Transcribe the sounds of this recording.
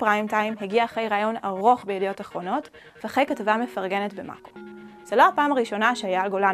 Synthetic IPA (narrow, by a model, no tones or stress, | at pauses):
pʁaimtaimɦeɡiaːχe̞jʁaːjo̞na̰ʁo̞χbejedijo̞taχʁo̞no̞t | veaχejkatavame̞faʁɡe̞netbema̰koz̥elo̞apaːmaʁiʃo̞naʃeajaːlɡola